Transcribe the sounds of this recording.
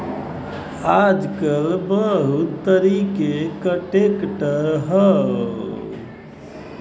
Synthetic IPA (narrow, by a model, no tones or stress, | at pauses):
aːd͡ʒkəlbəɦut̪ːəɾikekəʈekʈəɾɦə